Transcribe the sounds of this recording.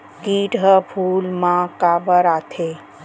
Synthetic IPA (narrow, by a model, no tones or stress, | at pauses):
kiːʈəpʰuːlmãkabəɾat̪ʰe